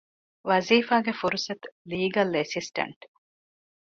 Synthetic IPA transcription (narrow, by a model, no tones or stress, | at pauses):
ʋɐziːfaːɡefuɾusɐt̪liːɡɐlesisʈɐ̰ɳʈ